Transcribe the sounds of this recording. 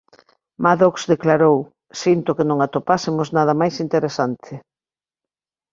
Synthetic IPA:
maðoksðeklaɾow | sint̪ʊkɪnõŋat̪opasɪmʊznað̞ɐmajsint̪eɾesant̪ʰɪ

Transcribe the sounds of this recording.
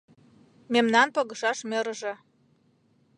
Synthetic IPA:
memnɑnpɤɣə̆ʃɑʃmʲĕɾʒĕ

